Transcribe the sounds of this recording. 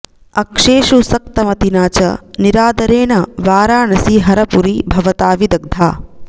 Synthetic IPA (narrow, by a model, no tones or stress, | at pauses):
ɐkʂeːʃusɐk̚t̪ɐmɐt̪inaːt͡ʃɐ̰niɾaːd̪ɐɾeːnɐʋaːɾaːɳɐsiɦɐɾɐpuɾibʱɐʋɐt̪aːʋid̪ɐɡ̚d̪ʱaː